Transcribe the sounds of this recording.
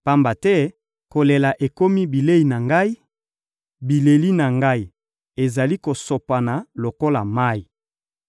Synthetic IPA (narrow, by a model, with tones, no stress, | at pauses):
pa˦mba˨tɛ˦ | ko˨le˨la˨ʔe˨ko˦mi˦bi˨le˦i˨na˨ŋɡa˦i˦ | bi˨le˨li˦na˨ŋɡa˦i˨ | e˨za˨li˦ko˨so˨pa˨na˨lo˨ko˦la˨ma˦i˨